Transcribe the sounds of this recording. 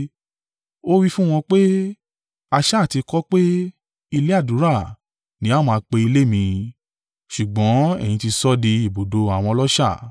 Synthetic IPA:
o˦wi˦fũ˦w̃ɔ̃˧k͡pe˦ | a˧ʃa˦˨ti˧kɔ˦k͡pe˦ | i˧le˦a˦˨du˨˦ɾa˦˨ | nĩ˨˦a˦˨mãː˧k͡pe˧i˧le˦mĩ˧ | ʃu˨ɡ͡bɔ̃˨˦ɛ̰˦˨j̃ĩ˧ti˧sɔ˦di˧i˨bo˨do˨˧a˨w̃ɔ̃˧lɔ˦ʃa˦˨

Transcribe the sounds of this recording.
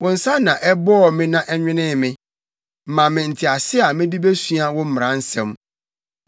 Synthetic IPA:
wʊ̃˨n̩˨sã˦nã˨ʔɛ˦bɔ˦ɔ˨mɪ̃˦nã˦ʔɛ˦ɲᶣɪ̃˦nɪ̃˦mɪ̃˦ | m̩˨mã˨mɪ̃˨n̩˨tʰɪ˨a˨sɪ˦a˨mɪ̃˦di˦be˦sɥa˦wʊ̃˦m̩˦m˨ɾã˨˦n̩˦sɛ̃˨m

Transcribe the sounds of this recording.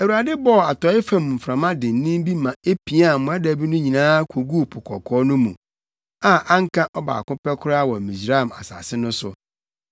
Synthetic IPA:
æ˨wu˨a˨dɪ˦bɔ˦˨a˨tɔ˨˦ɪ˦fã˨m˨m̩˨fɾã˨mã˦dɪ̃˨n̩˦nĩ˦m˦bi˦mã˨e˦pʰi˨˦a˦˨mʊ̃˨æ˦dæ˨bi˦nʊ̃˦ɲĩ˨nãː˦kʷʰo˨ɡu˦˨pʰʊ˨kʰɔ̰˨kʰɔ˦nʊ̃˦mũ˨ | a˨ʔã˦ŋ˦kʰã˦ʔɔ˦ba̰ː˨kʊ̃˦pɛ˦kʰʊ˦ɾa˦wɔ˨mĩ˨sɾa˦˨ma̰˨sa̰ː˨sɪ˦nʊ̃˦sʊ̰˨

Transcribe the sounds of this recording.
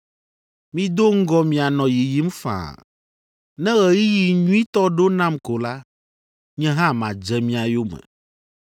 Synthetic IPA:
mĩ˦d̪o˦ŋ̩˦ɡɔ˦mĩ˨a˨nɔ̃˨ji˨ji˦m˦fã̰˨ | nɛ̃˦ɣɛ˨ji˦ji˨ɲũ˦i˦t̪ɔ˦ɖo˦nã˦mko˨la˦ | ɲɛ̃˦ɦã˦mã˨d͡ʒɛ˨mĩ˦a˨jo˦mɛ̰̃˨

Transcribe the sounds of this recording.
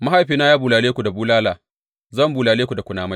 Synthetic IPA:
ma˦ha˦˨jɸiː˨naː˦jaː˦buː˨laː˨leː˦kʷu˨da˨buː˦laː˦laː˨ | zɐ˦˨mbuː˨laː˨leː˦kʷu˨da˨kʷʊ˨naː˨ma˦j

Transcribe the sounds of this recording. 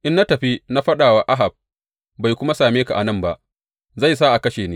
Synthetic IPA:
ʔɪ˦nːa˦tɐ˨ɸi˦na˦ɸɐ˦ɗaː˨wa˦ʔa˦ɦa˨b̚ | ba˨jkʷʊ˦ma˦saː˨meː˦ka˨ʔa˨nɐ˦˨mba˦ʔ | za˦˨js̬a˦ʔa˨kɐ˦ʃeː˨neː˦

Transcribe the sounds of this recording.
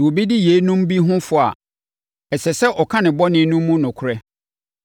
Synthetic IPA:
wo˨bi˦di˦je˨˦nũ˦m̩˦bi˦ɦʊ̃˦fʊ˨a̰˨ | ɛ˨sɛ˨sɛ˦ʔɔ˨kʰã˦nɪ̃˨bɔ˦nɪ̃˦nũ˦mː˦ũ˦nʊ̃˨kʰʊ˨ɾɛ˦

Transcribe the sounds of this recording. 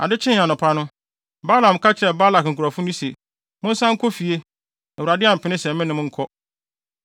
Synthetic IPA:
a̰˨dɪ˦t͡ɕʰɪ̃˦n˨ã˨nʊ̃˨pʰa˦nʊ̃˦ | ba˦lã˨m˨kʰa˦t͡ɕʰɪ˦ɾɛ˨ba˦la˨kŋ̩˨kʰu˨ɾɔ˨fʊ̃˦nʊ̃˦sḛ˨ | mʊ̃˦n̩˦sã˦ŋ̩˦kʰɔ˦fi˨e˦ | ɛ˨wu˨ɾa˨dɪ˦a˨m̩˨pʰɪ˨nɪ̃˦sɛ̃˨m˦mɪ̃˦nɪ̃˦mʊ̃˦ŋ̩˦kʰɔ˦

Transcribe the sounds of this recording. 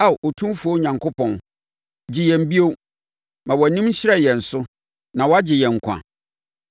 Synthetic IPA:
a˦˨ʔo˨tʰũ˦m˦fu˨˦o˦ɲã˨ŋkʰo˦pɔ̃˨n | d͡ʑɪ˨jɛ̃˨m̩˨bi˦o˦ | mã˨wɔ˨nĩ˦m̩˦ɕɪ˦ɾɛ˦˨jɛ˨n̩˨sʊ˦ | nã˨wɔ˦a˦d͡ʑɪ˨jɛ̃˨ŋ̩˨kʷʰã̰˨

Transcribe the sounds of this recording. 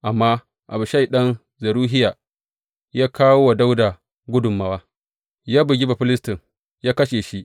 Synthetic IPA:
ʔa˨mːaː˦ | ʔa̰˨bʊ˨ʃa˦˨jɗɐ˦n | zɐ˨ɾuː˦ɦɪ˦jaː˨ | jaː˦kʰaː˦woː˦wa˨da˦wda˨ | ɡʷʊ˦dʊ˨mːa˦waː˦ | jaː˦bʊ˨ɡʲɪ˦ba˨ɸɪ˦lɪ˦stɪ˨ŋ | jaː˦kɐ˦ʃeː˨ʃi˦ʔ

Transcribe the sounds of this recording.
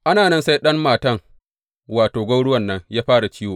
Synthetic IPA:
ʔa˦naː˨nɐ˦nsa˦jɗɐ˦mːaː˨tɐ˦˨ŋ | waː˨toː˨ɡʷɐ˦wɽʊ˦wɐ˨nːɐ˦ɲjaː˦ɸaː˦ɽa˨t͡ʃiː˦woː˨

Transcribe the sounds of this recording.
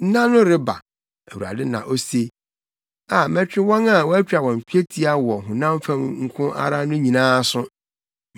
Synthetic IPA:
n̩˦nã˦nʊ̃˦ɾɪ˦ba̰˨ | æ˨wu˨ɾa̰˨dɪ˦nã̰˨ʔo˦se˦ | a˨mɛ̃˦t͡ɕᶣɪ˦wɔ̃˦na˦˨wɔ̃˦æ˦t͡ɕᶣa˨wɔ̃˨m˨pʰᶣi˦e˦tʰi˦a˦wɔ˨ɦʊ̃˨nã˦m˦fã˦mŋ̩˦kʰʊ̃˦ʔa̰˦ɾa˦nʊ̃˦ɲĩ˨nãː˦sʊ̃˦

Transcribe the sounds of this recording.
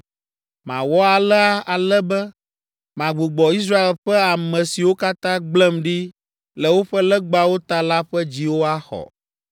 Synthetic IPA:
mã̰˨wɔ˦a˨lɛ˦a˦a˨lɛ˦bɛ˦ | mã˨ɡ͡bu˨ɡ͡bɔ˨i˦s̬ɾa˦e˨lɸɛ˦a˨mɛ̃˨si˨wo˦ka˦t̪ã˦ɡ͡blɛ˦mɖi˦ | lɛ˨wo˦ɸɛ˦lɛ˦ɡ͡ba˦wo˦t̪a˦la˦ɸɛ˦d͡ʑi˨wo˦a˦xɔ̰˨

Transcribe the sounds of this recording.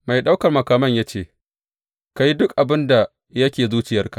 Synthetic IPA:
ma˨jɗa˦wkɐ˨rmɐ˨kaː˨mɐ˦ɲjaː˦t͡ʃeː˦˨ | ka˦ji˦dʊ˦kʔa˨bɪ˦nda˨ | jɐ˦kʲeː˨zuː˦t͡ʃɪ˨jɐ˦rka˨ʔ

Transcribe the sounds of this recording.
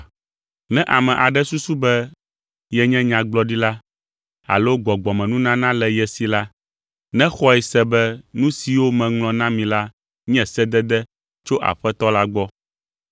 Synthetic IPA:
nɛ̃˦ʔa˨mɛ̃˨ʔa˨ɖɛ˦su˦su˦bɛ˦ | jɛ˦ɲɛ̃˦ɲã˨ɡ͡blɔ˦ɖi˦la˦ | a̰˨lo˦ɡ͡bɔ˨ɡ͡bɔ˨mɛ̃˨nũ˦nã˦nã˦lɛ˨jɛ˨si˨la˦ | nɛ̃˦xɔ˦ɛ˨sɛ˨bɛ˦nũ˦si˨wo˦mɛ̃˨ŋlɔ̃˨nã˦mĩ˨la˦ | ɲɛ̃˨sɛ˦d̪ɛ˦d̪ɛ˦ | t͡ʃo˦ʔa̰˨ɸɛ˦t̪ɔ˦la˦ɡ͡bɔ˦

